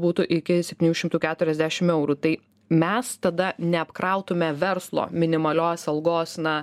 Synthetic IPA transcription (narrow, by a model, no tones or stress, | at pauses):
buːt̪ʊʔɪkʲɪsʲɛp̚ʲt̪ʲinʲuːʃʲɪmt̪uːkʲæːt̪ʊɾʲɛzʲd̪ʲæːʃʲɪmɛʊɾut̪ɐɪ | mʲɛst̪ɐd̪ɐnʲɛɐpkɾɐʊt̪ʊmʲɛʋʲɛɾslˠo̰ːmʲɪnʲɪmɐlʲoːsɐlˠɡoːsnɐ